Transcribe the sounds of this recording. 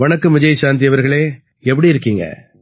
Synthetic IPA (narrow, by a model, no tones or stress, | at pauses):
ʋɐnɐkːɯmːɪd͡ʒɐjʃaːnd̪̬ɪjɐʋɐɾɣɐɭeː | ɛp̬ːɐɽiɪɾɯkːiːŋɡɐ̰